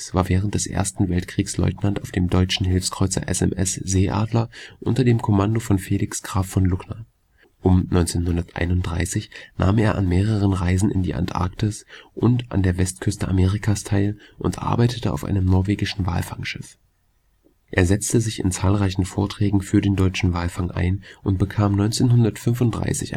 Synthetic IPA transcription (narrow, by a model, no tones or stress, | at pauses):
sv̥aːɐvɛːʁ̞əntd̥ɛsʔḛːɐstn̩vɛltkʁ̥iːkslɔ̰ʏtnantaʊfd̥eːmdɔʏt͡ʃn̩ɦɪlfskʁ̥ɔʏt͡sɐ̰ʔɛ̰sɛ̰mʔɛsz̥eːʔa̰ːdlɐʔʊntɐdeːmkʰɔmandofɔnfeːlɪksɡ̥ʁaːfɔnlʊknɐ | ʔʊmnɔʏnt͡seːnhʊndɐtʔa̰ɪnʊnt̚d̥ʁaɪsɪçna̰ːmeːɐʔa̰nmeːʁ̞əʁ̞ənʁaɪzn̩ɪ̰ndḭːʔa̰ntʔa̰ɐktɪsʔʊnta̰ndeːɐvɛstkʰʏstəʔameːʁ̞ɪkʰaːstʰaɪlʔʊntʔa̰ɐbaɪtʰətəʔa̰ʊfʔa̰ɪnəmnɔɐveːɡɪʃn̩va̰ːlfaŋʃɪf | ʔeːɐzɛt͡stəzɪçɪ̰nt͡saːlʁaɪçn̩foːɐtʁ̥ɛːɡŋ̩fyːɐdeːndɔʏt͡ʃn̩vaːlfaŋʔa̰ɪnʔʊnt̚b̥əkʰaːmnɔʏnt͡seːnhʊndɐtfʏnfʊnt̚d̥ʁa̰ɪsɪ̰ç